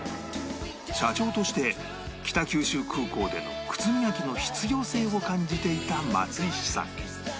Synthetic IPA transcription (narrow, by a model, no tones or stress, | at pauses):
ɕat͡ɕo̞ːt̪o̞ɕi̥t̪e̞ | kʲi̥t̪akʲɨːɕɨːkʰɯ̟ːko̞ːd̪e̞̰no̞̰kɯ̟̥t͡sɨmʲijakʲino̞çi̥t͡sɨɡʲo̞ːse̞ːo̞kãɲ̟d͡ʑit̪e̞it̪ama̰t͡sɨiɕi̥sã̰ŋ